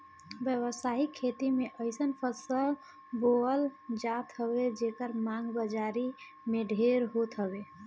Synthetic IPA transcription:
bjəβəsaɦikʰːet̪imeʔəɪsənpʰəsəl | boəld͡ʒat̪ɦəbed͡ʒekəɾmãŋɡbəd͡ʒaɾi | meɖʱeɾɦot̪ɦəbe

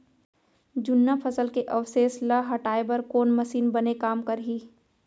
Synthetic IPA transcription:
d͡ʒʊnːapʰɐsəlkeʔɐwseːslaɦɐʈaːebɐɾkoːnmɐʃiːnbɐnekaːmkɐɾɦiː

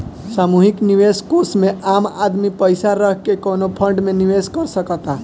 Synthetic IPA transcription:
saːmuɦikniʋeskosmẽama̰d̪mipəɪsaɾəɦkekonopʰə̃ɳɖmẽniʋeskəɾsəkət̪a

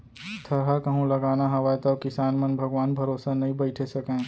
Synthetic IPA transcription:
t̪ʰɐɾɦakɐɦũlɐɡaːnaɦɐʋaːt̪ɐkɪsaːnmɐnbʱɐɡʋaːnbʱɐɾoːsanɐɦĩbɐɪʈʰesɐkẽː

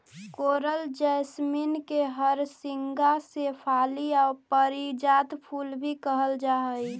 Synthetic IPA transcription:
koːɾəld͡ʒɛsminkeɦəɾsɪŋɡasepʰaːliaːɾpəɾid͡ʒad̪pʰulbʱikəɦəld͡ʒaɦəj

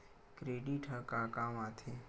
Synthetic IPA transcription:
kɾeːɖiʈʰəkakaːmãːt̪ʰe

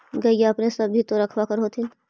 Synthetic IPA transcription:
ɡɐijaɐpnẽsɐbʱːit̪oɾɐkʰʋakəɾɦoːt̪in

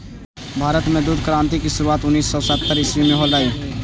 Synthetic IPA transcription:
bʱaːɾət̪mẽd̪uːd̪̚ʱkɾãːnt̪ikisʊɾuaːt̪ʊnːiːsːɔːsət̪ːəɾɪswimẽɦoːlaːiː

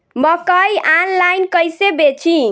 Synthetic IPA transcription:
mʌkʌjʔanlajnkʌjsebet͡ʃʰĩ

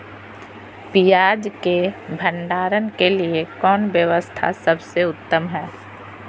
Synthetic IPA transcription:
pijaːd͡ʒkebʱə̃ɳɖaːɾənkeliekɔːnʋjəʋəst̪ʰa̰sɐbseʊt̪ːəmɦɛː

